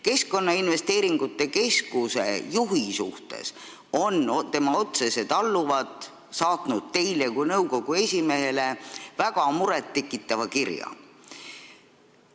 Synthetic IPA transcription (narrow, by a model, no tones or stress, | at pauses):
ke̞sko̞nːɑinve̞st̪e̞ːɾiŋɡ̥ut̪ːˑe̞ke̞skuse̞̰juɦisuht̪e̞̰s | o̞nt̪e̞mɑo̞t̪se̞se̞d̪̥ɑlːuvɑd̪ | sɑːt̪nud̪̥̚t̪e̞jlekujnɤwko̞ɡ̥ue̞sʲime̞ɦele̞væɡ̥ɑmuɾet̪ːe̞kːˑit̪ːˑɑvɑkirjɑ̰